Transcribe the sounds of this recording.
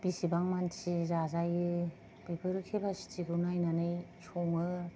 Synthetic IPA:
bisibaŋmansizazajɯ | b̥ibɯɾɯkʰebasi̥tiɡɯnajnanɯjsoŋɯ

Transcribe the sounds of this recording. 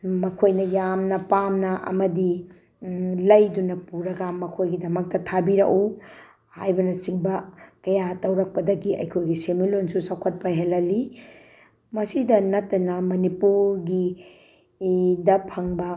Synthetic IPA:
mɐkʰojnɐjamnɐpamnɐʔɐ̰mɐdi | lɐjdunɐpuɾɐɡɐmɐkʰojɡidɐmɐk̚tɐtʰabiɾɐ̰ku | ha̰jbɐnɐsiŋbɐkɐjatɐwɾɐk̚pɐdɐɡiɐ̰jkʰojɡisemilonsusawkʰɐt̚pɐɦelɐli | mɐsidɐnɐtːɐnɐmɐnipuɾɡi | dɐpʰɐŋbɐ

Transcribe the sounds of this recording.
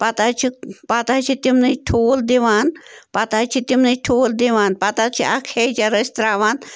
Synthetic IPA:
pat̪at͡ʃʰipat̪at͡ʃʰit̪imnɐʈʰoːld̪iʋaːnpat̪at͡ʃʰit̪imnɐʈʰoːld̪iʋaːnpat̪at͡ʃʰiʔakʰejt͡ʃaɾəst̪ɾaːʋaːn

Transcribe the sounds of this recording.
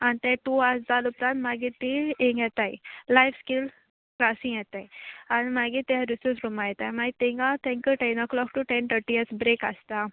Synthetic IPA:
anit̪ɛ̃ʈuasd͡zalupɾãnt̪maɡit̪ːiẽŋɡjɛt̪ajlajfskil | kɾasĩŋjɛt̪ajanimaɡit̪iaɾisusɾumajɛt̪ajmaɡit̪eŋɡat̪ɛ̃ŋkəʈɛnɔklɔkʈuʈɛ̃nt̪ʰəʈijəɾsbɾeka̰st̪a

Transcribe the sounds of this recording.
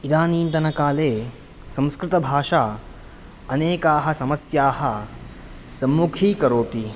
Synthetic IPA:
id̪aːniːnt̪ɐnɐkaːleː | sɐ̃mskɾɪt̪ɐbʱaːʂaː | ɐneːkaːɦɐsɐmɐsjaːɦɐ | sɐmːukʰiːkɐɾoːt̪i

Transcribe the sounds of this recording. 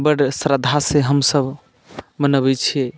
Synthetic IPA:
bəɽsɾəd̪ʱaseɦəmsəb | mənəbɛt͡ʃʰie

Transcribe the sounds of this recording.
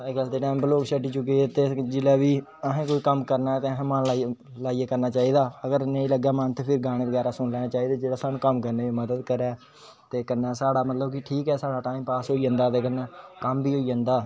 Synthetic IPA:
saːeːɡəld̪eːʈaːɪmbəloːkʃʰəʈːiːt͡ʃʊk̬ːeet̪eːd͡ʒɪlaːʋiː | əɦẽːkoːiːkəmkəɾnaːɛːt̪eːəɦːmənla | laːieːkəɾnaːt͡ʃaːiːd̪aːəɡəɾnə̃ĩːləɡaːmə̃nt̪eːpʰɪɾɡaːɽ̃ẽːʋəɡɛːɾaːsʊɳlɛːnãːt͡ʃaːiːd̪aːd͡ʒeːɽaːsaːnũːkəmkəɾneːʋiːməd̪əd̪kəɾɛː | t̪eːkənːaːsaːɽaːmət̪ləbkɪʈʰiːkɛːsaːɽaːʈaːiːmpaːsɦoːiːə̃ːnd̪aːt̪eːkənːaːkəmbiːɦoːiːə̃nd̪aː

